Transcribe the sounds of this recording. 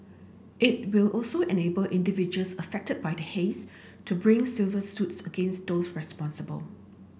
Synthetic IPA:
ʔɪt̚wɪlʔɔlsoɛnebəlʔɪ̃ndivid͡ʒəlsəfɛk̚təd̚bajdəhes | tʰubɹɪ̃ŋsilvəsutsəɡẽnsdosɹɛspɔ̃nsəbə̰l

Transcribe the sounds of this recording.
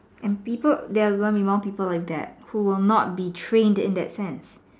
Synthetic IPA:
ʔɛ̃npipəd̪eaɡoɪ̃nbimɔ̃ŋpiːpəlaɪk̚d̪ɛ̰t̚huwɪlnɔt̚bitʰɹẽndɪ̰̃ndɛ̰tsɛ̃ns

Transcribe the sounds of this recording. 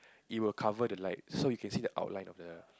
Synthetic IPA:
ʔit̚wilkʰavədəlaɪt̚sojukʰɛ̃nsiːdəʔa̰ʊtlãɪ̃nʔɔfdə

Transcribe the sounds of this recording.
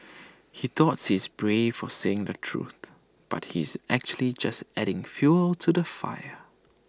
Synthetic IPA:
hit̪ɔtshizbɹev̥ɔseɪ̃ŋdətʰɹṵθ | b̥a̰t̚hḭɪzæk̚t͡ʃuəlid͡ʒastɛɾɪ̃ŋfjuəltʰudəfa̰jə

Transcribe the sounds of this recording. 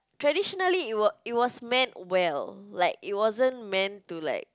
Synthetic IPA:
tɹɛdiʃɔnəliwɔit̚wɔsmɛ̃ntwɛllaɪk̚it̚wɔzə̃nmɛ̃ntula̰ɪk̚

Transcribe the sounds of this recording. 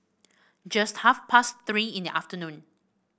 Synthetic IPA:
d͡ʒast̚hafpʰast̪ɹiĩndiʔaftənũn

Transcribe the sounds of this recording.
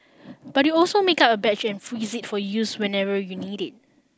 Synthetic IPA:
b̥at̚juɔlsomekapəbɛt͡ʃɛ̃nfɹizit̚fɔjuswɛ̃nɛvəjuniɾɪt̚

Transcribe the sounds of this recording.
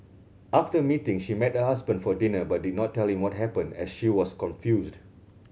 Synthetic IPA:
ʔaftəmitɪ̃ŋʃimɛt̚həɦasbə̃nfɔdinəbat̚didⁿnɔtːɛlhĩmwɔt̚ɦɛpə̃ndɛ̰sʃiwɔskɔ̃nfjusd

